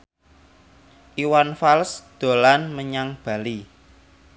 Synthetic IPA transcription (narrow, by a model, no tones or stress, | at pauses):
ʔiwanfalsd̪̥o̤lanməɲaŋb̥ä̤li